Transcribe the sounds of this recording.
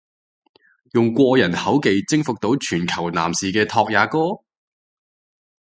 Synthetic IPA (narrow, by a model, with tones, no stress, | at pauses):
jʊ˨ŋkʷɔː˧jɐ˨˩nhɐ˨˥wke˨˧jt͡sɪ˥ŋfʊ˨k̚t̪o˨˥wt͡ʃʰyː˨˩nkʰɐ˨˩wna̰ː˨˩msiː˨˩kɛː˧t̪ʰɔː˧k̚jaː˨˥kɔː˥